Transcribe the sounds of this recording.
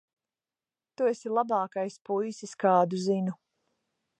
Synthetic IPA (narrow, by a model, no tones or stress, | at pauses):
t̪uesilˠabɑːkajspujsiskaːd̪uzinu